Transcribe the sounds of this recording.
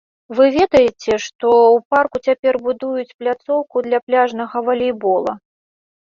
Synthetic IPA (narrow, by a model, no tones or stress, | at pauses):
vɨvʲed̪ɐjɛt͡sʲɛʂt̪ɔwparkut͡sʲapʲɛrbud̪ujut͡sʲplʲat̪sɔwkud̪lʲɐplʲaʐnɐɣɐvɐlʲɛjbɔlˠɐ̰